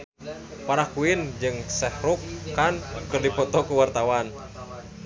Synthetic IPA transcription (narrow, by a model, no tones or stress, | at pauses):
paɾakuind͡ʒɨŋsɛhɾukːankɨrdipɔt̪ɔkuwart̪awan